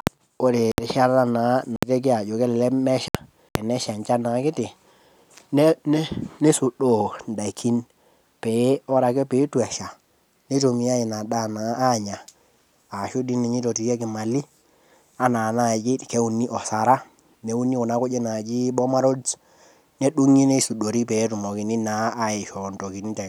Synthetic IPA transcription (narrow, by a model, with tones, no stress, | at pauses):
o˦ɾe˨ɾi˨ʃa˦ɾa˦na˨˦na˨te˦k̬i˦a˨d͡ʒo˨ke˦lɛ˨lɛ˦mɛ˦ʃa˨ | kɛ˨nɛ˦ʃa˨nt͡ʃa˦na˨˦kɪ˦tɪ˨ | n˦n˦ne˦su˨ɗo˦˨n˨da˨i˨kʰi˦n | pe˨˦ɔ˦ɾa˨ke˦pe˨˦tu˨ɛ˨ʃa˨ | ne˦to˨mi˨˦a˦ji˨na˨da˦˨naː˨˦˨ɲa˨ | a˨ʃu˦di˦ni˨ɲi˦to˨ti˨e˦kɪ˨ma˨li˦ | a˦na˨na˦˨d͡ʒi˦ke˦u˨nːi˦ʔɔ˨sa˨ɾa˦ | ne˦u˦ni˦ku˨na˦ku˦d͡ʒe˦na˨d͡ʒi˦bɔ˦ma˦ɾo˦d | ne˦ɗu˦ŋi˦ne˦su˨do˨ɾi˦pɛ˨˦tu˨mɔ˨ki˨ni˦naː˨˦ɪ˨ʃɔ˨nto˨ki˨n˦tɛ˨